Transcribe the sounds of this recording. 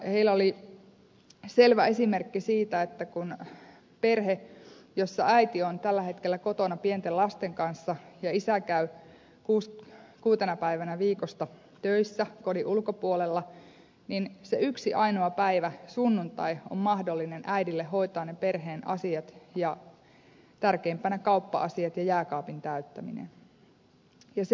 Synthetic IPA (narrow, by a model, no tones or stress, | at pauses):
heilːæoli | se̞lʋæesimerkːisiːt̪æet̪ːækun | pe̞rɦejosːɑʔæit̪iont̪ælːæhe̞t̪kelːæko̞t̪o̞nɑpient̪elɑst̪eŋkɑnsːɑjɑisækæy | kuːskuːt̪enɑpæiʋænæʋiːkost̪ɑ | t̪øisːæko̞diʔulko̞puolelːɑ | ninseyksiʔɑinoɑpæiʋæsunːunt̪ɑio̰mmɑhdolːinenʔæidilːehɦo̞it̪ɑːnnepe̞rɦe̞ːnʔɑ̰siɑt̪jɑ | t̪ærkeimpænækɑupːɑ̰ʔɑsiɑt̪jɑjæːkɑːpint̪æyt̪ːæmḭnḛn | jɑse